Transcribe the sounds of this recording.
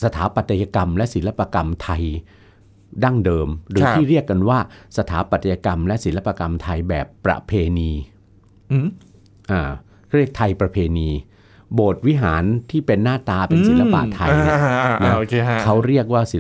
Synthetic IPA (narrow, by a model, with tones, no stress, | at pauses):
sa˧t̪ʰaː˩˦pa˨˩t̪ːa˧ja˧ka˧mlɛ˦˥ʔsi˩˦la˦˧˥pːa˧ka˧mt̪ʰa˧j | da˥˩ŋdɤː˧mɾɯː˩˦iː˥˩ɾi˥˩əkːa˧nwaː˥˩sa˧t̪ʰaː˩˦pa˨˩t̪ːa˧ja˧ka˧mlɛ˦˥ʔsi˩˦la˦˧pːa˧ka˧mt̪ʰa˧jbɛː˨˩pːɾa̰˧˩pʰeː˧niː˧ | ʔaː˧˩ | kʰa˥˩i˥˩kt̪ʰːa˧jpɾa˧pʰeː˧niː˧ | boː˨˩t̪̚wi˦˥ɦaː˩˦nt̪ʰiː˥˩pe˧nːaː˥˩t̪aː˧pe˧si˨˦la˦˥pa̰˨ʔt̪ʰːa˧jna˦˥o˧kʰe˧kʰa˦˥wɾi˥˩ək̚waː˥˩si˨˦